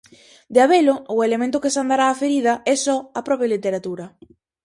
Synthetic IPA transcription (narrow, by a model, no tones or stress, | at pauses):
d̪eaβeloʊelemẽnt̪ʊkɪsand̪aɾaːfeɾið̞ɐɛsɔapɾɔpɾjalit̪eɾat̪uɾɐ